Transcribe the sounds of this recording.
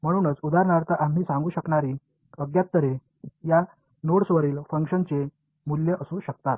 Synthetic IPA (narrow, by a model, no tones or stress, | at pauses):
m̤əɽ̃uːnət͡sud̪aɾɳaɾt̪əʔam̤ɦiːsãŋɡuːɕəkɳaɾiː | əɡjat̪ːəɾe | ja | noɽsʋəɾiːlfəŋkɕənt͡se | muljəʔəsũːɕək̚t̪at̪̚